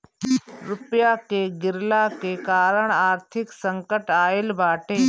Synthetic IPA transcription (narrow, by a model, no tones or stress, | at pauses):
ɾʊpjakeːɡɪɾlaːkeːkaːɾəɽ̃aːɾt̪ʰɪksə̃ŋkəʈaːɪlbaːʈʰeː